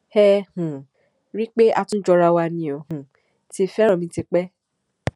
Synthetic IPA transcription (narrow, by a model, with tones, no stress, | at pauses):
hɛ˦hũ˨ | ɾi˦k͡pe˦ʔa˧tũ˦d͡ʒɔ˧ɾa˧wa˧nĩ˧ɔ˨hũ˨ | ti˧˦˨fɛ˦ɾ̃ɔ̃˨mĩ˧˦ti˧k͡pɛ˦